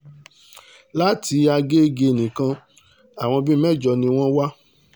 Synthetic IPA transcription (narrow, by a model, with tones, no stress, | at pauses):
la˦tʰi˧a˧ɡe˦ɡe˧˨nĩ˨kã˧ | a˨w̃ɔ̃˧bi˦ɛ˦˨d͡ʒɔ˧˨nĩ˧w̃ɔ̃˦wa˦